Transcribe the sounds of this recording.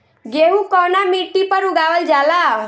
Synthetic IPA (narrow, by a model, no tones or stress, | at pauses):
ɡeɦukɔwnamiʈːipəɾuɡaʋəld͡ʒala